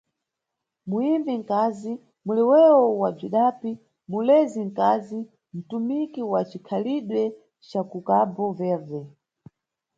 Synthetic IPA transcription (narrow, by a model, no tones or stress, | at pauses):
muimbiŋ̩kaːzi | mulɛwɛwɔwab͡ʐiɗapi | mulɛziŋ̩kazi | m̩tumikiwat͡ʃikʰaliɗwɛ | t͡ʃakukabɔvɛvɛ